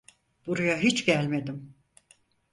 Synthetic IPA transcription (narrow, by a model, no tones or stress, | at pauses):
b̥uɾujaɦit͡ʃɟælʲme̞d̪im